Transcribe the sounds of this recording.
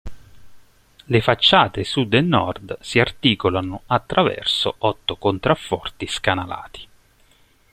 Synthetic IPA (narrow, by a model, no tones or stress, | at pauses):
lefat͡ʃːaːt̪esud̪enːɔ̰rd̪siart̪iːkolanoat̪ːɾʔavɛ̰rsoʔɔt̪ːokont̪ɾafːɔrt̪iskanala̰ːt̪i̥